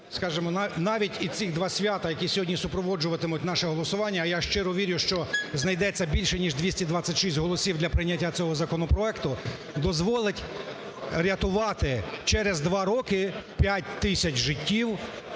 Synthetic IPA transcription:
skɑʒɪmɔnnɑʋʲitʲit͡s̪ʲiɣd̪ʋɑsʲʋʲjat̪ɐjɐkʲisʲɔɦɔdʲnʲisʊpɾɔʋɔd͡ʒʊʋɐt̪ɪmʊtʲnɑʃɛɦɔlˠɔsʊʋɑnʲːɐjaʃt͡ʃɪɾɔʋʲiɾʲjʊʃt͡ʃɔznɐjd̪ɛt͡sʲːɐbʲilʲʃɛnʲiʒd̪ʋʲisʲtʲid̪ʋɑt͡sʲːɐtʲʃisʲtʲɦɔlˠɔsʲiwd̪lʲɐpɾɪjnʲːɐtʲːat͡sʲɔɦɔzɐkɔnɔpɾɔɛkt̪ʊ | d̪ɔzʋɔlˠɪtʲ | ɾʲɐt̪ʊʋɑt̪ɪt͡ʃɛɾezd̪ʋɑɾɔkɪpʲjatʲt̪ɪsʲɐt͡ʃʒɪtʲːiw

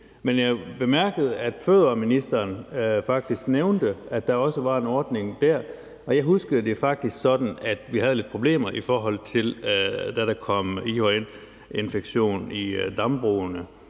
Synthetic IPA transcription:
menjɑɪb̥e̝mæɐ̰ɡ̥əð̞̩ˠæd̥føðˠɐminisd̥ɐːnfɑ̈ɡ̥̚d̥isɡ̥neʊnd̥əæd̥d̥ɑ̈ɒ̽səʋɑ̈e̝nɒːd̥ne̝ŋd̥æɐ̰ | ɒ̽jɑ̈ɪɦusɡ̥əð̩ˠd̥e̝fɑ̈ɡ̥̚d̥isɡ̥sɒ̽d̥n̩æd̥ʋiɦæðˠəle̝d̥pʰʁo̝b̥le̝̰ːmɐʔifɒːɦɒ̽l̰t͡sʰe̝ld̥æɾ̥ækʰɒ̽m̰ihoen | e̝nfeɡ̥ɕo̝̰ːnid̥ɑmb̥ʁuːnə

